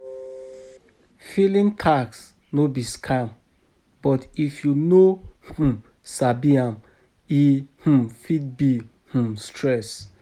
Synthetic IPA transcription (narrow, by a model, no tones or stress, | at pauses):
filĩntʰaks | nobiskʰam | bɔtifjunohũ | sabiãm | ih̩fid̚bi | h̩stʰɹɛs